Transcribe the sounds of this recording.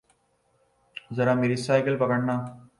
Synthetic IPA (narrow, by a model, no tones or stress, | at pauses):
zɐɾaːmeːɾisaːjɪkəlpɐkəɽnaː